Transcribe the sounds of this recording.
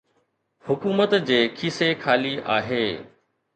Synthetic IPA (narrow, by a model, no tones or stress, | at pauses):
hʊkuːmət̪d͡ʑeːkʰiːsekʰaːlia̰ːɦeː